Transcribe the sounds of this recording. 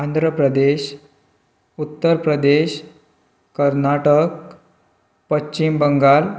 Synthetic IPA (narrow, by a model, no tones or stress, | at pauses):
ənd̪ʱɾəpɾəd̪eɕ | ut̪ːəɾpɾəd̪eɕ | kəɾnaʈək | pət͡ɕːt͡ɕimbəŋɡal